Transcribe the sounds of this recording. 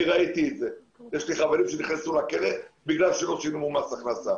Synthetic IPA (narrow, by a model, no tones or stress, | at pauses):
ʁait̪ietze | jeʃliχaveʁimʃeniχnesulakeletbiɡlalʃelosinumumasaχnasa